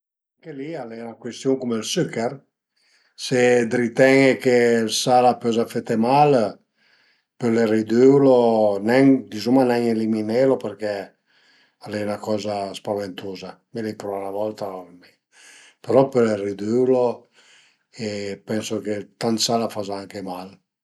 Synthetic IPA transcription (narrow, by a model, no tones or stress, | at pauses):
aŋkelialɛnakwest̪juŋkumelsykːɛr | sed̪ɾit̪ɛŋekelsalapɔzafet̪emal | pelerid̪ywlonɛŋd̪izumanɛŋelimineːlopeɾk̟ɛ | alɛjnakɔːzaspavent̪ʰuːza | melepɾɔnavɔlt̪ame | peɾɔpelerid̪ylo | epɛnsoket̪ant̪salafazaaŋkemal